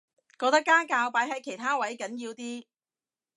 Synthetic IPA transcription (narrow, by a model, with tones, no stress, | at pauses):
kɔː˧k̚t̪ɐ˥kːaː˥kaː˧wpaː˨˧jɦɐ˨˧jkʰe˨˩jt̪ʰaː˥wɐ˨˦˥jkɐ˨˥njiː˧wt̪iː˥